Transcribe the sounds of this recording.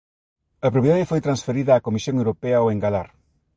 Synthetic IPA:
ɐpɾoβiðaðɪfojt̪ɾansfeɾiðɐaːkomisjõŋewɾopeɐoeŋɡalaɾ

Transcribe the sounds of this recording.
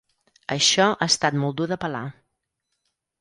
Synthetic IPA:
ə̰ʃɔʔast̪at̪mɔlˠd̪uðəpəla̰

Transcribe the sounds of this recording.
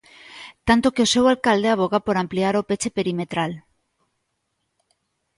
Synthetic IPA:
t̪ant̪okeosewalkald̪eaβ̞oɣapoɾampliaɾopet͡ʃepeɾimet̪ɾal

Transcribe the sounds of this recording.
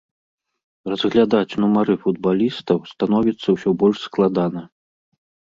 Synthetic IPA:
rɐzɣlʲad̪at͡sʲnumaɾɨfud̪balʲist̪ɐwst̪an̪ɔvʲit̪sːɐwsʲɔbɔlʲʂsklˠad̪anɐ

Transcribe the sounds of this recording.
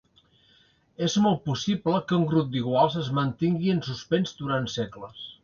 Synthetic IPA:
ezmɔlˠt̪̚pusibləkəuŋɡɾup̚d̪iɣwalˠzəzmənt̪iŋɡiənsuspɛnzd̪uɾant̪sɛkləs

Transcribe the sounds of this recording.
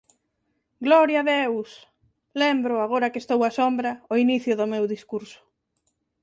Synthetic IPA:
ɡlɔɾjaðews | lembɾʊaɣoɾɐkest̪owasombɾɐoiniθjʊðʊmewðiskuɾsʊ̥

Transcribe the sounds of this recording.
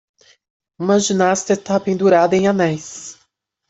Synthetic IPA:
ũmɐʒinast̪ɐt̪apẽnd̪uɾad̪ɐẽj̃anɛjs

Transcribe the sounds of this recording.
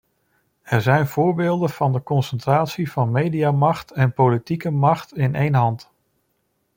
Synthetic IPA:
ɛɹzɛjnv̥ʊːɹbeːlˠdənv̥ɑndəkɔnsəntraːtsivɑnmejdiaːmɑχtɛnpowlitikəmɑχtɪnʔejnɦɑnt

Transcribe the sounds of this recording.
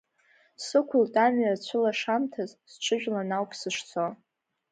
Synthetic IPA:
sɨkʷʰʊltʼamɥat͡ɕʷʰʊlaʂamtʰazsʈ͡ʂʷʰɨʒᶣlanawpʰsɨʂt͡sʰo

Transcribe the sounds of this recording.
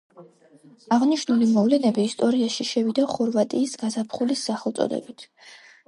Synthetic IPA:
aʁniʃnulimɔvlɛnɛbiːst̪ʼɔɾiaʃiʃɛvid̪aχɔɾvat̪ʼiːsɡazapʰχulisːaχɛlˠt̪sʼɔ̰d̪ɛ̰bit̪ʰ

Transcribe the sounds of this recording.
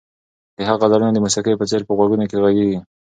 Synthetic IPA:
d̪̥əɦaɣalaɾunad̪əmʊsakejpət͡seɾpəɣwaɡunokeɣaɡeɡi

